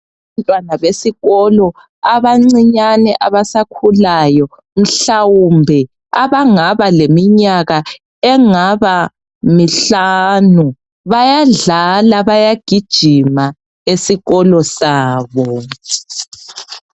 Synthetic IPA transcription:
antʼwanaβesiɣɔlɔ | aβaŋ͡ǀiɲanɛʔaβasakʰulajɔ | m̩ɬawumbʱɛ | aβaŋaβalemiɲaɣa | ɛŋaβa | miɬanu | βajaɮalaβajaɡ̥ʱid̥ʒ̥ʱima | esiɣɔlɔsaːβɔ

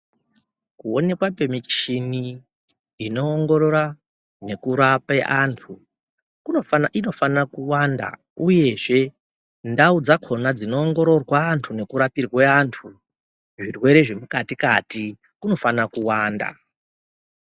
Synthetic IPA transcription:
kuone̞kwape̞mit͡ʃini | ino̞ːŋɡo̞ɾo̞ɾa | ne̞kuɾapeʔantʰu | kuoino̞fanakuwanda̰ | uje̞ʐe̞ | ndaud͡zakʰo̞nad͡zino̞ːŋɡo̞ɾo̞rwaːntʰune̞kuɾapirweantʰu | ʐirwe̞ɾe̞ʐe̞mukatikati | kuno̞fanakuwaːnda̰

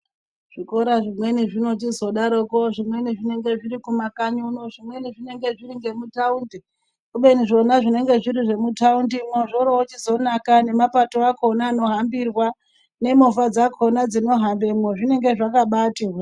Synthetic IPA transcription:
ʐ̥iko̞ɾaʐimwe̞niʐino̞t͡ʃizo̞ɗaɾokoʐimwe̞niʐine̞ŋɡe̞ʐiɾikumakaɲunoʐimwe̞niʐine̞ŋɡe̞ʐiɾiŋɡe̞mutaundi | kuɓe̞niʐo̞naʐine̞ŋɡe̞ʐiɾiʐe̞mutaundimoʐo̞ɾoot͡ʃizo̞nakane̞mapato̞akʰonaːno̞ɦambirwa | ne̞mofad͡zakʰonad͡zino̞ɦambe̞moʐine̞ŋɡe̞ʐakaɓaːti

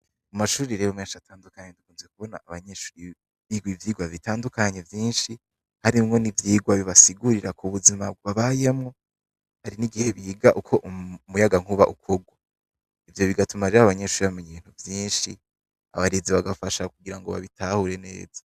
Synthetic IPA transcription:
umaʃuːɾiɾeβomŋeːnʃatʰaːndukaɲedukuːmzek̚uβo̞na̰ːβaɲeʃuːɾi | βiɡwivjiːɡwavitaːndukaɲe̞vjiːnʃi | haɾimŋo̞nivjiːɡwaβiβasiɡuɾiɾakuβuzimaβaβaje̞mŋo | haɾiniɡihe̞βiːɡaʔukʰo̞ʔumujaɡaŋ̥huβaʔukʰoɡwa | ivjo̞βiɡatumaɾeaaβaɲeʃuːɾiβameɲiβiːn̥huvjiːnʃi | a̰βaɾeziβaɡafaʃakuɡiɾaŋɡoβa̰βitahuɾe̞ne̞̰ːz̥ḁ

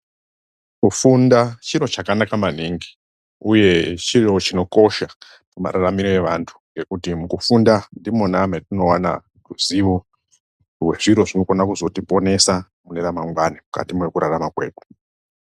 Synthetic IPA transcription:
kufundat͡ʃiro̞t͡ʃakanakamaniŋɡi | uje̞t͡ʃiro̞t͡ʃino̞ko̞ʃa | muma̰ɾaramiɾoe̞ʋantʰu̥ŋɡe̞kutimukufundandimonametino̞wana̰ | ruziʋo | we̞ʐiɾo̞ʐino̞ko̞nakuzo̞tipo̞ne̞sa | muneɾamaŋɡwanimuka̰timwe̞kuɾaramakwe̞ːɗu̥

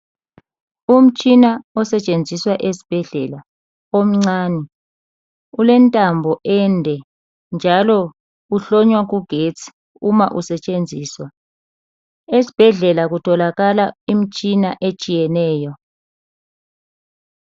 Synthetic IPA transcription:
um̩t͡ʃʼinaɔsɛt͡ʃʼend͡zʱiswaʔesi̥b̥ʱɛɮɛla | om̩ŋ͡ǀaːnɛ | ulɛntʼambʱɔʔɛndʱɛ | nd͡ʒʱalɔ | uɬɔɲwaɣuɡ̥ʱet͡sʰʼi̥ | uma̰ʔusɛt͡ʃʼend͡zʱiːswa | esi̥b̥ʱɛɮɛlaɣutʰɔlaɣalaim̩t͡ʃʼinaʔet͡ʃʼijɛnɛːjɔ

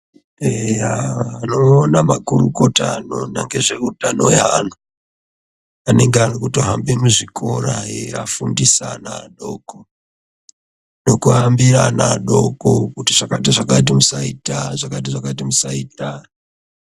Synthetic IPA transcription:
ejaːno̞ːnamakuruko̞tano̞̰na̰ŋɡe̞ʐe̞kudano̞jana | ane̞ŋɡearokutoɦambemuʐikʰoraeafundisa̰na̰ɗo̞ko | no̞kuɦambiɾanaɗokokutiʐ̥akatiʐakat̬imusaitaʐakatiʐakatimusaiːta

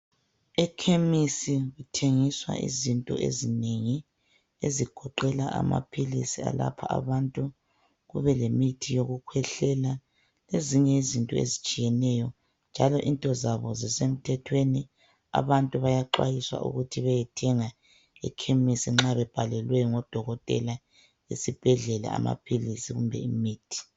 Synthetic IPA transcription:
ɛkʰemisiɣutʰeŋiswa̰ʔḭzintʼɔ̰ʔḛzineŋi | eziɡ̥ʱɔǃɛlaʔa̰ma̰pʰilḭsia̰la̰pʰaʔa̰βantʼu | ɣṵβɛlemitʰijoɣukʰwɛɬɛla | leziɲɛizintʼɔḛzit͡ʃʼijɛnɛjɔ | nd͡ʒʱalɔʔintʼɔzaβɔzisem̩tʰɛtʰweni | a̰βantʼuβajaǃwa̰jiswa̰ʔṵɣutʰiβajɛtʰɛŋa | ɛ̰kʰemisiŋ͡ǁaβɛb̥ʱalɛlwɛjɔŋɔd̥ʱɔɣɔtʼɛ̰la | isib̥ʱɛɮɛla̰a̰ma̰pʰilisiɣumbʱɛ̰imiːtʰi̥

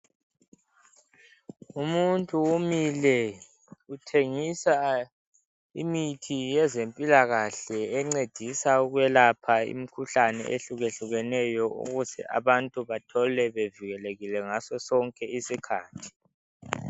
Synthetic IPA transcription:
umuntʼuumilɛ | utʰeŋisa | ḭmitʰijɛzempʼilaɣaɬɛːŋ͡ǀed̥ʱisauɣwjɛlapʰaḭmikʰuɬanɛ̰ʔḛɬuɣeɬuɣɛnɛjɔṵɣuzɛ̰a̰βantʼuβatʰɔlɛβeviɣɛleɣilɛŋasɔsɔŋkʼɛisikʰaːtʰi̥

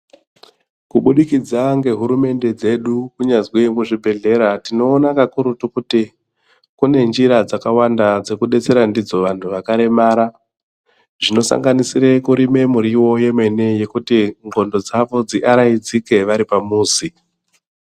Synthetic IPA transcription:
kuɓuɗikid͡zaŋɡe̞ɦuɾume̞nde̞d͡ze̞ɗukuɲazwemuʐibʱe̞ɮe̞ɾatino̞ːnakakuɾutukuti | kune̞nd͡ʒiɾad͡zakawandad͡ze̞kuɗe̞t͡se̞ɾandid͡zo̞ʋantʰuʋakaɾe̞maːɾa | ʐino̞sa̰ŋɡanisiɾe̞kuɾime̞muɾiwo̞je̞me̞ne̞je̞kutiŋɡo̞ndo̞d͡zaʋo̞d͡ziʔaɾaid͡zike̞ʋaɾipamuːzi

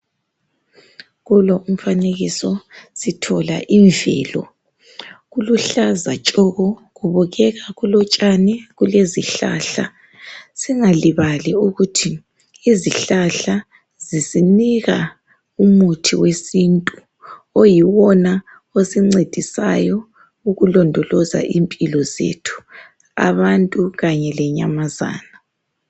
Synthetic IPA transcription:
ɣulɔʔum̩faneɣisɔsitʰɔla̰ʔiɱvʱɛ̰ːlɔ̰ | ɣuluɬazat͡ʃʼɔɣɔɣuβɔɣɛɣaɣulɔt͡ʃʼanɛɣuleziɬa̰ɬa̰ | siŋaliβaliuɣutʰiː | ziɬaɬa | zisiniɣa | umutʰiwesintʼu | ojiwɔna | osiŋ͡ǀed̥ʱisa̰jɔ | uɣulɔndʱɔlɔza̰ʔimpʼilɔzḛtʰu̥ | a̰βantʼuɣaɲɛlɛɲamaza̰ːna

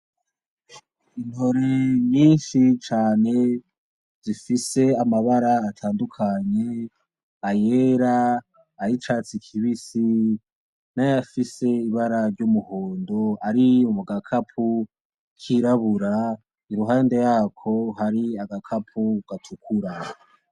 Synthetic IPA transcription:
inhoɾeɲiːnʃit͡ʃaːne̞ | z̥ifise̞amaβaɾaːtʰaːndukʰaɲe̞ | ajeɾaː | ɾit͡ʃat͡sikʰiβisi | najjafise̞iβaɾaɾɟumuhoːndo̞aɾiumuɡakʰapʰu | kʰiɾaβuɾa | iɾuɦaːnde̞jaːkʰo̞haɾiaɡakʰapʰuɡ̥atʰukʰuɾa

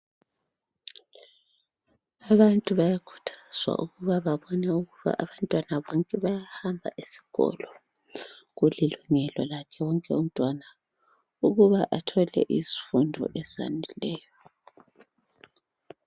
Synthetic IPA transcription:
aβantʼuβajakʰu̥tʰaz̥wa̰ʔuɣuβaβaβɔnɛuɣuβa̰ʔaβantʼwanaβɔŋkʼɛβajahambʱa̰ʔisi̥ɣɔ̰lɔ | ɣuliluŋɛlɔlakʰɛwɔŋkʼɛum̩tʼwana | uɣuβaʔatʰɔlɛ̰ʔizi̥fundʱɔ̰ʔɛza̰ndʱilɛːjɔ

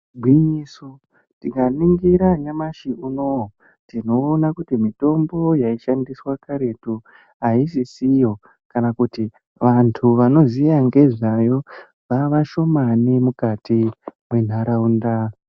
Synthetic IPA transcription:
ɡʱwiɲiso | tikaniŋɡiɾaɲamaʃiuno | tino̞ːnakutimito̞mbo̞jaiʃandiswakaɾe̞tu | ɦaisisijo̞ | kanakuti | ʋantʰuʋano̞zijaŋɡe̞ʐajo̞ | ʋaʋaʃo̞manimukatimwe̞n̤aɾaunda

